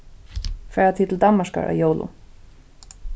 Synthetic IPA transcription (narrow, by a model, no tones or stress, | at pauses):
fɛːɹat̪ʰiːt̪ʰɪld̪anmaʂka̰ɹa̰joːwlʊ̰